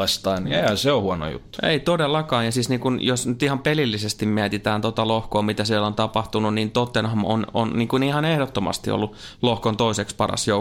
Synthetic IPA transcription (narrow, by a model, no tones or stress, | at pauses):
ɑst̪ɑːniehænseohuono̰jṵt̪ːu̥ḛit̪odelːɑkɑːjjɑsiːsniːŋkunjosnyt̪ihɑmpelilːisest̪immiæt̪it̪æːnt̪ot̪ɑlohkoːmit̪æsiɛlont̪ɑpɑht̪ununniːnt̪ot̪ːenhɑmo̰no̰nniːŋkunihɑnehdot̪ːomɑ̰st̪ḭo̰lːu | lohkont̪oisekspɑrɑ̰sjo